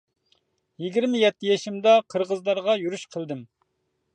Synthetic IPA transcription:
jiɡʲiɾmɪjɛt̪ːɪjɛʃimd̪ɑqʰəɾʁəzlˠɑɾʁɑjuɾyʃqʰəlˠd̪ɪm

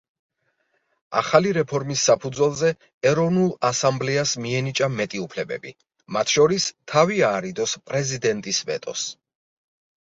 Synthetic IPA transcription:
a̰χaliɾɛpʰɔɾmisːapʰud̪zwɛlˠzɛ | ɛɾɔvnulˠasamblɛasmiɛnit͡ʃʼamɛt̪ʼiupʰlɛbɛ̰bi | mat̪ʰʃɔɾist̪ʰaviaːɾid̪ɔspʼɾɛzid̪ɛnt̪ʼisvɛ̰t̪ʼɔ̰s

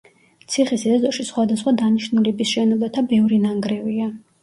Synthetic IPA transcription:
t̪sʰiχisid̪azɔʃisχwad̪asχwad̪aniʃnulɛbisʃɛnɔbat̪ʰabɛvɾinaŋɡɾɛvia

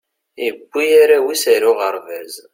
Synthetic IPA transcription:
iɡʷːijaɾawisæɾʊʁəɾˤvæz

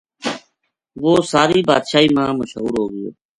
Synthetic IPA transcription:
ʋoːsaːɾiːba̰ːd̪ʃaːiːmãːməʃɦuːɾɦoːɡəjo̰ː

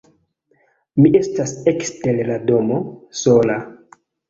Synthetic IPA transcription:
miʔe̞stasekste̞ɾlado̞moso̞la

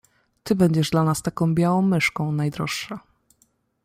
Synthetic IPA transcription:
t̪ɘbɛɲd͡ʑɛʐd̪lanast̪akɔ̃w̃bʲjawɔ̃w̃mɘʂkɔ̃w̃najd̪ɾɔʂʂɛ

